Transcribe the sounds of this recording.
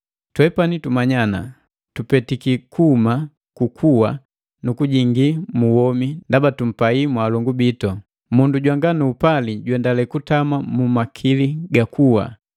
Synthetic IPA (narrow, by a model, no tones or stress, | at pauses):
twɛpanitumaɲana̰ | tupɛtikikʰuma | kukʰuwa | nukuɟiŋɡimuwɔmindabatum̩paimwaːlɔŋɡubitɔ | munduɟwaŋɡanuːpaliɟwɛndalɛkutamamumakʰiliɡakʰuwa̰